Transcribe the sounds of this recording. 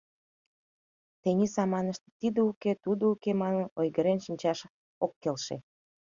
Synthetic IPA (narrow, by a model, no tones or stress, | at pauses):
t̪enʲisɑmɑnəʃt̪e̥t̪id̪əuket̪ud̪oukemɑnənojɣəɾenʃinʲt͡ɕɑʃ | okːelʃḛ